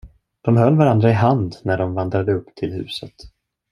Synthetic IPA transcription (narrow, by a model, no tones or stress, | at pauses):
d̪̥ɔmɦœlːvaɾand̪ɾaɪɦand̪næɖɔmvand̪ɾad̪əɵpːt̪ʰɪlhʉ̟̰ːsət̪